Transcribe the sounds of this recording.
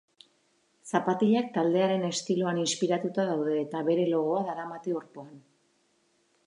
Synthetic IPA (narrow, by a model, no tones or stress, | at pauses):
sapat̪iʎak̚t̪ald̪e̞aɾe̞ne̞st̪ilo̞aninspiɾat̪ut̪aðawðe̞ːt̪aβe̞ɾe̞lo̞ɣo̞aðaɾamat̪io̞ɾpo̞an